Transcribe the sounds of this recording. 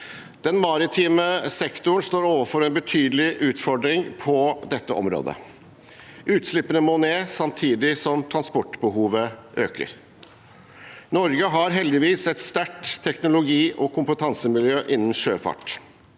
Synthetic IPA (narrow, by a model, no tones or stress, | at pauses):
d̪̥ɛnmɑɾɪt̪ʰiːməsɛkt̪ʊɳ̩st̪oːɾoːʋəfɔɾɛnbət̪ʰyːd̪əlɪʔʉːt̪fɔɖɾɪŋpʰɔd̪ɛt̪ːəʔɔ̰mɾo̰ːd̪ə̰ | ʔʉːt̪slɪpːənəmoːneːsɑmt̪ʰiːd̪ɪsɔmt̪ʰɾɑnspɔʈːbəhuːʋəʔøːkə̰ɾ | nɔɾɡəɦɑɾɦɛld̪ɪʋiːsɛt̪st̪æʈt̪ʰːɛknʊlʊɡiːʔɔkʰʊmpət̪ʰɑnsəmɪljøːʔɪnːən̩ʂøːfɑ̰ʈ